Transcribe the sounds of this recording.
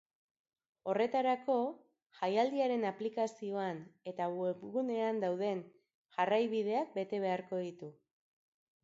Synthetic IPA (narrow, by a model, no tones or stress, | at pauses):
o̞re̞t̪aɾako̞ | ʝajald̪iaɾe̞naplikasio̞ane̞t̪awepɣune̞and̪awð̞e̞n | ʝarajβiðe̞ak̚be̞t̪e̞β̞e̞aɾko̞ð̞it̪u